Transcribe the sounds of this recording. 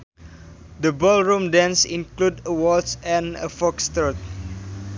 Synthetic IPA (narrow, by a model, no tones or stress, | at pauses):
d̪əbɔlɹũmdɛ̃nsĩnkludəwɔdsɛ̃nə̰fɔkst̪ət̪̚